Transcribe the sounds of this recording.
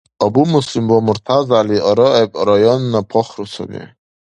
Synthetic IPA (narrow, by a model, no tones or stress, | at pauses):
ɔbumuslimwɔmuɾt̪ʰazaliʔɔɾɔɛbʼɔɾɔjɔnːapʰɔχɾusʰɔ̰nɛ̰